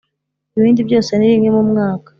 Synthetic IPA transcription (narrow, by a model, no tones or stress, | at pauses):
iβiːndibjo̞ːse̞niɾimɲemumŋaːka